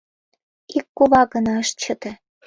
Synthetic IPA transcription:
ikːuβɑɣə̆nɑəʃt͡ɕə̆t̪ĕ

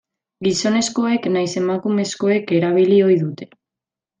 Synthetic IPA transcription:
ɡiso̞ne̞sko̞e̞knajse̞makume̞sko̞e̞ke̞ɾaβ̞ilio̞jðut̪e̞

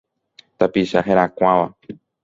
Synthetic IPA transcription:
t̪apiʃaɦeɾakʷãʋa

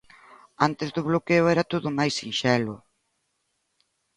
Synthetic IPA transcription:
ant̪ezðʊβlokeʊɛɾat̪oðʊmajsːinʃɛlʊ

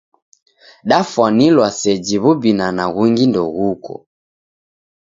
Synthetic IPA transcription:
ɗafwanilwasɛd͡ʒiβubinanaɣuŋɡindɔɣukɔ̰

